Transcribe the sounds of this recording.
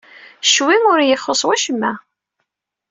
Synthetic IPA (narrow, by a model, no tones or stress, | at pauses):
ʃwiŋʊɾjəχːosˤwæʃəmːæ